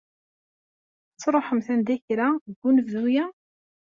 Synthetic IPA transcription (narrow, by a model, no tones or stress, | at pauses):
t͡sːɾˤoħəmθænd̪æçɾaɡːunvðujæ